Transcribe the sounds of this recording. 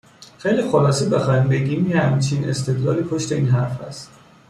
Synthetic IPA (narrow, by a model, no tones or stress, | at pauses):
xejliːxolɒːsebexɒːimbe̞ɡimehæmt͡ʃʰine̞̰st̪ʰe̞d̪lɒ̰ːliːpʰoʃt̪e̞iːnɦæɾfæ̰st̪